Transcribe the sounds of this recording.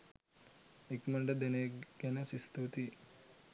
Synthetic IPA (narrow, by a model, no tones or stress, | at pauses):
ikmɐɳɖɐd̪eneɡɡɐnɐsist̪ut̪i